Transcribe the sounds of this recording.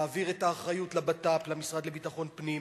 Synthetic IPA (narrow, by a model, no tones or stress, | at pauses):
viʁetaːχʁajutlabataplamisʁad̪lebitaχo̞npnim